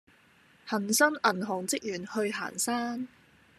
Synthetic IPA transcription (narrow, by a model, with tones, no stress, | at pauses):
hɐ˨˩nsɐ˥ŋɐ˨˩nɦʊ˨˩ŋt͡sɪ˥k̚jyː˨˩nhɵ˧ɥɦa̰ː˨˩nsaː˥n